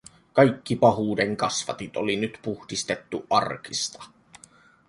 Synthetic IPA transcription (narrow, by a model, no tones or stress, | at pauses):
kɑjkːipɑɦuːde̞ŋkɑsʋɑ̰t̪it̪olinyt̪puhdist̪e̞t̪ːuʔʔɑrk̟ist̪ɑ̥